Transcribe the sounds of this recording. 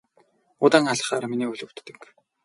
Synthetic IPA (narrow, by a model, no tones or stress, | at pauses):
ʊt̪aːŋaɮ̆χaːɾminiːuɮɵ̆wt̪ːɘ̆k